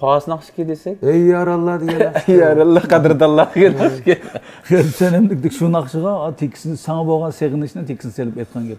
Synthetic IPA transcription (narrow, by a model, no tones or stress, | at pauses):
pʰɑːsnɑχt͡ʃkʲid̪esɛk̚ʲɛjːɑɾɑlˠːɑd̪eɡʲɛjɑɾɑlˠːɑqɑd̪ɨɾd̪ɑlˠːɑd̪ɪɡʲenskʲe | χeɾsɛnɪmlɪkʲd̪ɪkʲʃunɑχʃəʁɑt̪ʰekʲʰːi̥sɪnsɑŋɑboʁɑnseʁɪnɪʃnɪt̪ʰekʲʰːisnɪselɪpɛjt̪̚qʰɑnɡʲɛp